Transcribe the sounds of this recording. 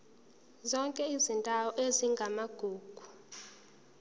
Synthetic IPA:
zɔŋkʼɛizintʼawɔʔeziŋɡʱamaɡ̥ʱuːɡ̥ʱu

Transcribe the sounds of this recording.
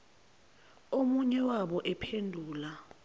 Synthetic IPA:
omuɲɛwaɓɔʔɛpʰendʱuːla

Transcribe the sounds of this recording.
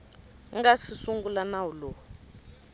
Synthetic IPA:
ŋɡasisuŋɡulanawulo

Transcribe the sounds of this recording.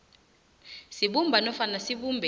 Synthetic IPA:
siɓumbʱanɔfanasiɓumbʱɛ

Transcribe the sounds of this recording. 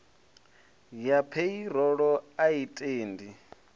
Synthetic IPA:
japʰeiɾ̤ɔɺɔaitʼeːndi

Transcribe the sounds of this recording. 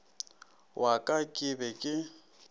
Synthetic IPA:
wʔakʼakʼɪbɛkʼɪ

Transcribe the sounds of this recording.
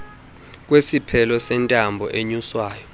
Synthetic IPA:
k̬ʼwesipʰɛlɔsɛntʼambʱɔʔeɲuswaːjɔ

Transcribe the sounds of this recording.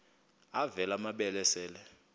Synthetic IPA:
avɛlamaɓɛlɛsɛːlɛ

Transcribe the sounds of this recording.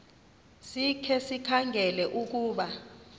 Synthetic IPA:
sikʰɛsikʰaŋɡʱɛlɛʔuk̬uːɓa

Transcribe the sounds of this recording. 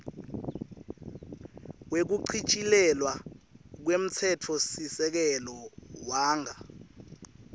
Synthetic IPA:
wek̬uǀʰit͡ʃʼilɛlwak̬wem̩t͡sʰɛtʰɔsisɛk̬ɛlɔwaːŋʱa

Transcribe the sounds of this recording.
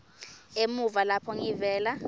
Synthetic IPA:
emuvalapʰɔŋivɛːla

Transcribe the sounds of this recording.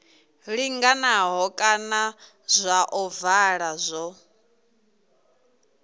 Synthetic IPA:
ɺiŋɡanaɦɔkʼana | zʷaʔɔvaɺazʷɔ

